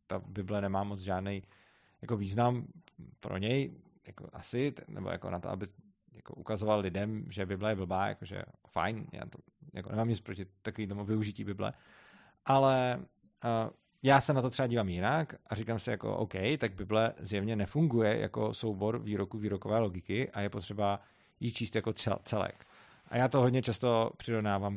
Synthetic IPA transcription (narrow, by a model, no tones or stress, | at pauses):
t̪abɪblɛnɛmaːmot͡sʒaːdnɛj | jako̞viːznampɾo̰ɲɛjjako̰ʔasɪnɛ̰bo̰ja̰ko̞̰nat̪oʔa̰bɪ | jako̞̰ʔukazovallɪdɛmʒɛbɪblɛjɛbl̩baːja̰koʒɛ̰fa̰jnja̰ːt̪o | ja̰konɛmaːmɲɪt͡spɾocɪt̪ːakoviːt̪omuvɪuʒɪciːbɪblɛ̰ | ʔalɛ | jaːsɛnat̪ot̪r̥ɛaɟiːvamjɪnakʔaɾikamsɪjako̰ʔo̰wkɛjt̪aɡ̚bɪblɛzjɛvɲɛnɛfuŋɡujɛ̰ja̰ko̰so̞wbo̞ɾviːɾokuviːɾokovɛːlo̞ɡɪkɪʔajɛpot̪r̥ɛba | jit͡ʃiːst̪jakoɛ̰t͡sɛlɛ̰k | ʔa̰jaːt̪oɦodɲɛt͡ʃast̪o̞pr̝̥ɪɾovnaːvam